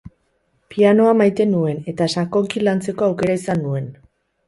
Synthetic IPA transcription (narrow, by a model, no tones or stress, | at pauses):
piano̞amajt̪e̞nue̞ne̞t̪asako̞ŋkilant͡se̞ko̞awke̞ɾaisanːue̞n